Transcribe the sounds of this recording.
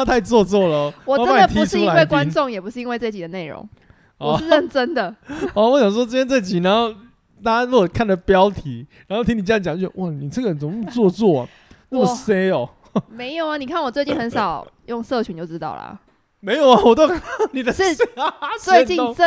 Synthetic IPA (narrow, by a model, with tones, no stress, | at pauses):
t̪ʰa˥˧ɪt͡swɔ˥˧t͡swɔ˥˩lə˩wɔ˨˩˥ə˥ba˥˦d̪ə˨t̪ʰiu˧˥ʂ̩ʰ˥iu˥la˨˧˦we˥˩ɪkwa˦nʈ͡ʂʊ˥˨ŋjɛ˨˩pu˧˥ʂɻ̩˥˧i˥nwe˧ɪt͡swe˥˩t͡ɕi˨˩d̪ə˩˦ne˥˩ɪɻʊ̰˧˥ŋ | ɔ˨˩ɻ̩˥˧ə˥˩nʈ͡ʂə˦˥nd̪ə˨ɔ˧˩wɔ˧˥˦ɕjɑ˨ŋʂwɔ˥ʈ͡ʂə˥t̪ʰjɛ˥nt͡sa˥˩ɪt͡ɕi˨˩na˧˦nxo˥˩ʊ | t̪a˥˦ɻu˥˩ɔ˨˩kʰa˥˩ndə˩pjɑ˦˥ʊt̪ʰi˨˥na˨˧˥xo˥˩t̪ʰi˥ŋni˨˩˥jŋt͡ɕŋo˥˩ɕɛ˨˧wɔ˥˩ni˨˩t͡sə˥˩ɡə˨ə˨˩t͡so˧˦˥t͡swɔ˥˧t͡swɔ̰˥˩˨ | na˥˨ə˨˩se˥ɪɔ˨˩ | me˧˥ɪjo˨˩ʊɐ˨˦ni˨˩kʰa˥˩nwɔ˨˩t͡swe˥˧ɪt͡ɕi˥˩nxə˧˦nʂɑ˨˩ʊjʊ˥˧ŋsɤ˥˩t͡ɕʰy˧˥n˨jo˥˧˩ʊʈ͡ʂɻ̩˧˥t̪ɑ̰˥˩ʊlə̰˨˩ | me˧˥ɪjo˨˩ʊa˨wɔ˨t̪o˥kʰa˥˩ni˨d̪ə˧ʂwe˥˧t͡ɕi˥˧ə˥˨